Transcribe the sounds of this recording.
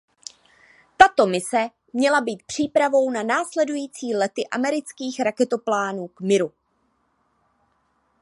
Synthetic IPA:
t̪at̪o̞mɪsɛ | mɲɛlabiːt̪̚pr̝̥iːpɾavo̞wnanaːslɛdujiːt͡siːlɛt̪ɪʔamɛɾɪt͡skiːxɾakɛt̪o̞plaːnuːkmɪɾu

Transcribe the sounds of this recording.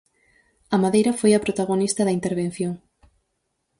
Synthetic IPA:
ɐmaðejɾɐfojɐpɾot̪aɣonist̪ɐðɐint̪eɾβ̞ẽn̟θjoŋ

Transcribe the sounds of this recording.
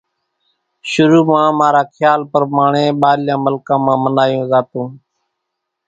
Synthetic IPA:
ʃʊɾuːmãːmaːɾaːkʰjaːlpəɾmaːɳẽːɓaːljãːməlkãːmãːmənaːjõːzaːt̪ũː

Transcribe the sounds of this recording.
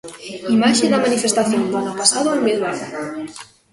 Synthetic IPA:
imaʃeðamanifest̪aθjond̪anapasaðomeðβaða

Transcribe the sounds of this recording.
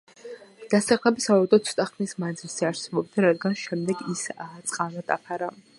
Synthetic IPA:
d̪̥asaχlˠɛbisavaɛd̪ɔt̪sʰɔ̥t̪ʼaχnismand̪zilˠz̥ɛaɾsɛbɔb̚d̪aɾad̪ɡanʃɛmd̪ɛɡist̪sʼqʼanad̪̥a̰pʰaɾa

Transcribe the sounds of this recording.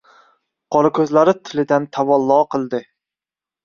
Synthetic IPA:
qʰɒɾakʲʰɵzlaɾɪt̪ʰɪlɪd̪ant̪ʰavɒlˠːɒːqʰɨlˠd̪ɪ

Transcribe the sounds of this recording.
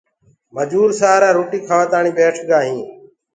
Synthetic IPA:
məd͡ʒuːɾsaːɾãːɾoːʈiːkʰaʋəːt̪aːɳiːɓeːʈʰɡaːɦĩː

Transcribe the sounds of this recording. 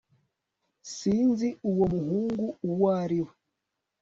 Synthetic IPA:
siːnziuwomuhuːŋɡuuwaːɾiwe

